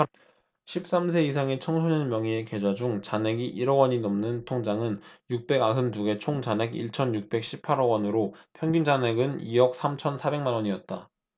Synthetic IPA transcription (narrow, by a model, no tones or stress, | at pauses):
ɕʰip̚s͈ams̬ʰe̞isʰaŋe̞t͡ɕʰʌŋsʰoɲʌnmjʌŋie̞ke̞d͡ʑad͡ʑuŋt͡ɕane̞ɡiʔiɾʌɡwʌɲinʌmnɯntʰoŋd͡ʑaŋɯnjuk̚p͈e̞ɡaɦɯmduɡe̞t͡ɕʰoŋd͡ʑane̞ɡiɭt͡ɕʰʌnjuk̚p͈e̞k̚ɕ͈ʰipʰaɾʌwʌnɯɾopʰjʌŋɡind͡ʑane̞ɡɯniʌk̚s͈amt͡ɕʰʌnsʰabe̞ŋmanwʌɲiʌt̚t͈a